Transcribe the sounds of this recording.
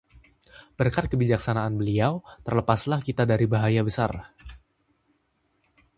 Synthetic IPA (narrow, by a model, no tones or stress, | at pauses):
b̥ərkat̪̚kəbid͡ʒaksanaːnbəliawt̪ərləpaslahkit̪adaɾibaɦajabəsa̰r